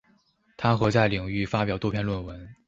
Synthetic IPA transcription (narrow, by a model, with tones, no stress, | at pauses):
t̪ʰa˥xɤ˧˥t͡sa˥˩ɪli˨˩ŋy˥˩fa˥pjɑ˨˩ʊt̪wɔ˥pʰjɛ˥˧nlwə˥˩nwə˧˥n